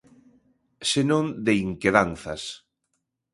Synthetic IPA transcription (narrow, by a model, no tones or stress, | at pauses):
senõnd̪eiŋkeðanθɐs